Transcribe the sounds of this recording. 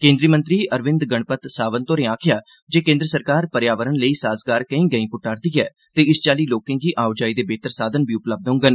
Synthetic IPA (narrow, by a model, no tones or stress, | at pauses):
kẽːnd̪ɾiːmə̃nt̪ɾiːʔəɾʋɪ̃nd̪ɡəɳ̃pət̪saːʋənt̪oːɾẽːaːkʰjaː | d͡ʒeːkẽːnd̪ɾəsəɾkaːɾpəɾjaːʋəɾənləiːsaːzɡaːɾkəĩːɡəĩːpʊʈaːɾd̪iːɛː | t̪eːɪst͡ʃaːliːloːkɪ̃ːŋɡiːʔaːod͡ʒaːiːd̪eːbeːt̪əɾsaːd̪ənbʱiːʊpləb̚d̪õʊ̃ŋɡən